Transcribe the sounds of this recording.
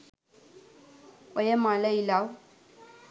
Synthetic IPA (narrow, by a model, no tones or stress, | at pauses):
ɔjɐmalɐilaw